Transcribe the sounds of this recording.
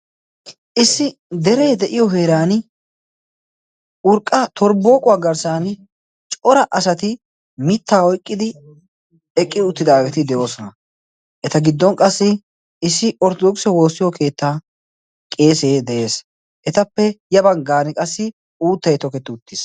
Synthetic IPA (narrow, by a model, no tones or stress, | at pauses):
ʔɪsːɪd̪ɛɾejd̪ɛʔɪjɔɦe̞ːɾaːn | ʊɾkʼːɐt̪ʰɔɾbo̞ːkʼʊwaːɡɐɾsaːn | t͡ʃʼɔɾɐʔɐsɐt̪ɪ | mɪt̪ːaːɔjkʼːɪd̪ɪ | ɛkʼːɪʊt̪ːɪd̪aːɡɛt̪ɪd̪ɛjo̞ːsɔnɐ | ʔɛt̪ɐɡɪd̪ːɔnkʼɐsːɪ | ɪsːɪɔɾt̪ɔd̪ɔksɔwo̞ːsːɪjɔkʰe̞ːt̪ːaː | kʼe̞ːseːd̪ɛʔe̞ːs | ʔɛt̪ɐpːɛjɐbɐŋɡaːnɪkʼɐsːɪ | uːt̪ːɐjt̪ɔkɛt̪ːɪʊt̪ːɪs